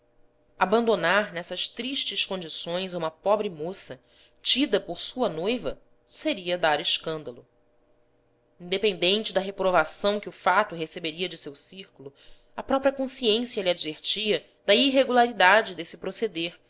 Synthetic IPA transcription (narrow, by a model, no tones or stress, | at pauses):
abɐ̃nd̪onaɾnɛsɐʃt̪ɾiʃt͡ʃɪʃkõd͡ʒisõj̃zũmɐpɔbɾɪmosɐ | t͡ʃid̪ɐpoɾsuɐnojvɐ | seɾiɐd̪aɾɪʃkɐ̃nd̪ɐlu | ĩd̪epẽnd̪ẽnt͡ʃɪd̪ɐɦepɾovasɐ̃w̃kɪʊfat̪ʊɦesebeɾiɐd͡ʒɪsewsiɾkulu | ɐpɾɔpɾiɐkõsiẽsjɐliad͡ʒveɾt͡ʃiɐ | d̪ɐiɦeɡulaɾid̪ad͡ʒɪd̪esɪpɾosed̪eɾ